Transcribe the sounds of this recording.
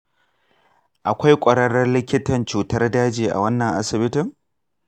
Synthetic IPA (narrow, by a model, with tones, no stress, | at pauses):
ʔa˨kʷa˦jkʷʼɐ˨ɽɐ˦ɽɐ˦rlɪ˦kʲɪ˦tɐ˨nt͡ʃuː˨tɐ˦rdaː˦d͡ʒiː˨ʔa̰˨wɐ˦nːɐ˨ŋʔa˦sɪ˨bɪ˦tɪ˨ŋ